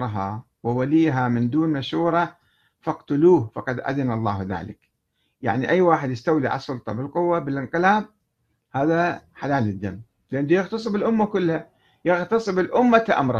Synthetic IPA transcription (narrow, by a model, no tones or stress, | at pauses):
ɾˤɦɑ | wɪwaliːɦamɪnd̪uːnmaʃuːɾˤɑ | fɑqt̪ʊluːhfɑqɑd̪ʔa̰ðɪnɑlˤːɑːhða̰ːlɪk | ja̰ʕniʔajːwaːħɪd̪jɪst̪awliʕa̰lsˤːʊlt̪ˤɑbɪlqʊwːabɪlʔɪnqɪlaːb̚ | haːðaħalaːlɪd̪ːamː | lʔand̪ujɪɣt̪ɑsˤɨbɪlʔʊmːakʊlːha | jɪɣt̪ɑsˤɨbɪlʔʊmːakaʔa̰mɾˤ